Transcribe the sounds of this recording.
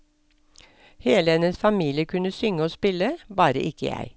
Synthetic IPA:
heːləɛnəsfɑmiːlɪəkʰʉnəsʏŋəoːspɪləbɑːɾə̰ʔɪkəjæ̰ɪ

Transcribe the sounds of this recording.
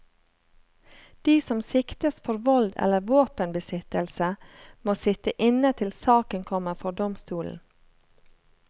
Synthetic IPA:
d̪̥iːsɔmsɪkt̪əsfʰɔɾʋɔld̪ɛ̰ləɾʋoːpənbəsɪt̪əlsəmoːsɪt̪əʔɪnət̪ʰɪlsɑːkənkʰɔməfɔd̪ɔmst̪uːln̩

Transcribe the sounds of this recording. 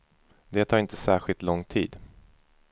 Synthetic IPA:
d̪ɛːt̪ʰɑːɾɪnt̪əsæːɾɧɪlt̪lɔŋt̪ʰḭːd̪

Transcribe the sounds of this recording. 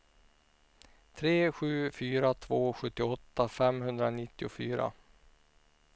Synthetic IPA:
t̪ʰɾeːɧʉ̟ːfyːɾat̪ʰvoːɧɵt̪ːɪɔt̪ːafɛmɦɵnd̪ɾanɪt̪ːɪʊfyːɾa̰

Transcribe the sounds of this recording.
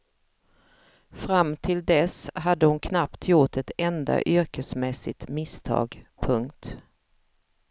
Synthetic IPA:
fɾamːt̪ʰɪld̪ɛsɦad̪ːəhʊnkʰnapt̪ʰjʊʈɛt̪ɛnd̪a̰ʔʏɾkəsmɛsɪ̰t̪mɪst̪ʰɑ̰ːɡpʰɵŋkt̪

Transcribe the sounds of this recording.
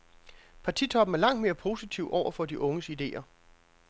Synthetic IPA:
pʰɑ̈t͡sʰḭt͡sʰɒ̽b̥n̩æɐlɑ̈ŋ̰d̥me̝ːɐpʰo̝sit͡sʰiʊʔɒʊ̰ɐfɒ̽d̥iʔɔ̽ŋəsid̥e̝̰ːɐ

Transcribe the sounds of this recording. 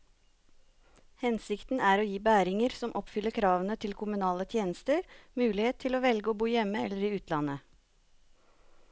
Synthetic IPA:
hɛnsɪkt̪n̩æːɾoːjiːbæːɾɪŋəɾsɔmʔɔpfʏləɾkʰɾɑːʋənət̪ʰɪlkʰʊmʉnɑːlət̪ʰjeːnəst̪əɾmʉːlɪheːt̪ʰːɪloːʋɛlɡəoːbuːjɛməɛlːəɾiːʉːt̪ʰlɑnə

